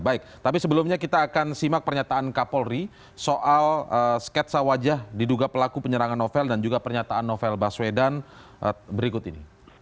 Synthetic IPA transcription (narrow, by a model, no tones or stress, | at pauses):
baɪk̚t̪apisəbəlʊmɲakit̪aːkansimak̚pərɲat̪aːnkapɔlri | soʔaləskɛt̪̚sawad͡ʒahdiduɡapəlakupəɲəɾaŋanːofɛldand͡ʒuɡapərɲat̪aanːofɛlbaswedan | bəɾikʊt̪inḭ